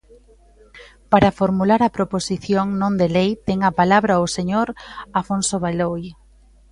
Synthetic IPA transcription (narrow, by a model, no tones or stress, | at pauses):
paɾafoɾmulaɾɐpɾoposiθjoŋnõnd̪elejt̪ɛŋɐpalaβɾaoseɲoɾafonsoβaloj